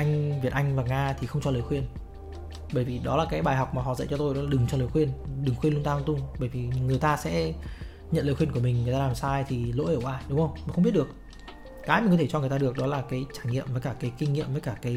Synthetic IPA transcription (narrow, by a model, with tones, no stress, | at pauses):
ʔa˧jŋ̟vi˨˩ət̚ʔa˧jŋ̟vaː˨˩ŋaː˧t̪ʰi˨˩xə˧wŋ͡mt͡ɕɔ˧ləː˨˩jxwi˧ən | ɓəː˧˩jvi˨˩ɗɔ˨˦laː˨˩kaː˨˦jɓaː˨˩jɦa˨˩wk͡p̚maː˨˩ɦɔ̰˧˨zə̰˧˥˨t͡ɕɔ˧t̪o˧jnɔ˨˦laː˨ɗɨ˨˩ŋt͡ɕɔ˧ləː˨˩jxwi˧ənɗɨ˨˩ŋxwi˧nlt̪aː˧t̪ʊ˧ŋ͡mɓəː˧˩jvi˨˩ŋɨ˨˩əjt̪aː˧sɛ̰˧˥ | ɲə̰˧˨nləː˨˩xwi˧ənku˧˩əmï˨˩ŋ̟ŋɨ˨˩t̪aː˧laː˨˩msaː˧jt̪ʰi˨˩lo̰˧˥ʔeː˧˩waː˧ɗʊ˨˦ŋ͡mhə˧wŋ͡mmi˨˩xə˧ŋ͡mɓi˦˥t̚ɗək̚ | kːaː˨˦jmi˨ŋkɔ˨˦t̪ʰe˧˩t͡ɕɔ˧ŋ˨˩ət̪aː˧˨ɨ˨˩ək̚ɗɔ˨˦laː˨˩kaː˨˦jt͡ɕaː˧˩jŋḭ˧˨mvəː˨˦kaː˧˩kaː˨˦jkï˧ŋ̟ŋḭ˧˨əmvə˨˦jkaː˧˩kaː˨˦j